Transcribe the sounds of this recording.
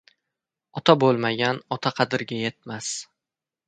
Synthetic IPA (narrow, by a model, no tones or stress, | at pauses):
ɒt̪ʰabolˠmaɡʲanɒt̪ʰaqʰɑd̪ɪɾɡʲaje̞t̪̚mas